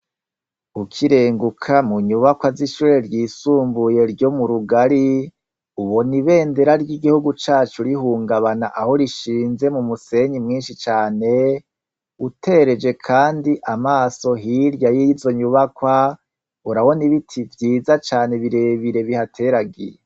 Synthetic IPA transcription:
ukʰiɾe̞ːŋɡukʰamuɲuβakwaziʃuɾeɾɟiːsuːmbuje̞ɾɟo̞muɾuɡaɾi | uβoniβe̞ːnde̞ɾaɾɟiɡihuɡut͡ʃaːt͡ʃuɾiɦuːŋɡaβanaʔaho̞ɾiʃiːnze̞mumuse̞ɲimŋiːnʃit͡ʃaːne̞ | utʰe̞ɾe̞d͡ʒe̞kʰaːndiʔamaːso̞ɦiɾjajizo̞ɲuβakwa | uɾawo̞niβitʰivjiːzat͡ʃaːne̞βiɾe̞βiɾe̞βihatʰe̞ɾaɡije

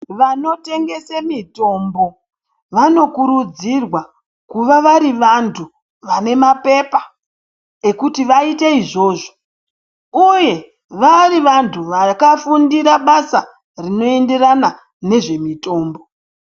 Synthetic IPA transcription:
ʋano̞te̞ŋɡe̞semito̞mbo̞ | ʋano̞kuɾud͡zirwa | kuʋaʋaɾiʋantʰu | ʋane̞mape̞pa | ekutiʋaiteiʐo̞ːʐo̥ | uje̞ | ʋariʋantʰuʋakafundiɾaɓasa | rino̞e̞nderana | ne̞ʐe̞mito̞ːmbo̞

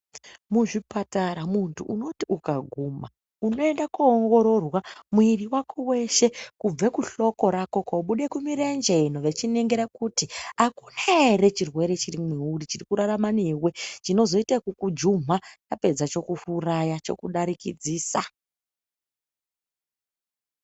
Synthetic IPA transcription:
muʐipataɾamuntʰuʔuno̞tiukaɡʱuma | uno̞endakuːŋɡo̞ɾo̞rwamuiriwakʰowe̞ʃe̞kub͡vekuɬo̞ko̞ɾako̞kauɓuɗe̞kumiɾend͡ʒenoʋe̞t͡ʃine̞ŋɡeɾakutiakunaere̞t͡ʃirwe̞ɾe̞t͡ʃirimeuɾit͡ʃirikuɾaɾamanewe̞t͡ʃino̞zo̞itakukud͡ʒum̤at͡ʃape̞d͡zat͡ʃo̞kuhurajat͡ʃo̞̰kuɗaɾikid͡ziːsa

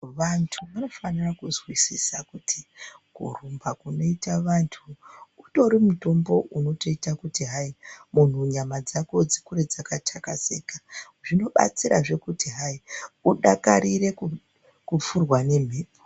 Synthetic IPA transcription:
ʋantʰuʋano̞fanirakuzwisisakutʰikṵr̤umbakuno̞itaʋantʰuːto̞ɾimuto̞mbo̞ʔuno̞to̞itakutiɦaimun̤uɲamad͡zako̞d͡zikuɾe̞d͡zakatʰakasekḁ | ʐino̞ɓa̰t͡sira̰ʐe̞kutiɦaiuɗaka̰ɾire̞ku | kup͡furwane̞m̤eːpo

